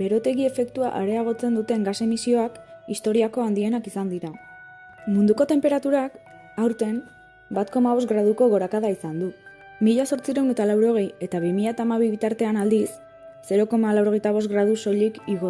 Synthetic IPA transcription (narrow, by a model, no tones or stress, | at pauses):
be̞ɾo̞t̪e̞ɣie̞fe̞kt̪ua̰ʔaɾe̞aɣ̞o̞t͡se̞nd̪ut̪e̞ŋɡase̞misio̞akist̪o̞ɾiako̞and̪ie̞nakisand̪iɾa | mund̪uko̞t̪e̞mpe̞ɾat̪uɾak | awɾt̪e̞m | bat̪ko̞maβ̞o̞sɡɾað̞uko̞ɣo̞ɾakað̞aisand̪u | miʎaso̞ɾt͡siɾe̞wne̞t̪alawɾo̞ɣ̞e̞je̞t̪aβ̞imiʎat̪aːmaβiβit̪aɾt̪e̞anald̪isː | e̞ɾo̞ko̞malawɾo̞ɣ̞ejt̪aβ̞o̞sɡɾað̞uso̞ʎikiɣo